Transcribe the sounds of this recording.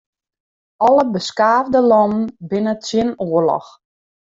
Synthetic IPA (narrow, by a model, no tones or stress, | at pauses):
ɔləbəskaːvdəlɔnənbɪnətsjɪnoərlɔ̰x